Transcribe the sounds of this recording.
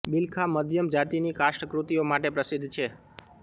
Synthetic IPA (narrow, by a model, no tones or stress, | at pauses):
bilkʰaməd̪ʱjəmd͡ʒat̪inikaʃʈəkɾut̪iomaʈepɾəsid̪ʱːt͡ʃʰe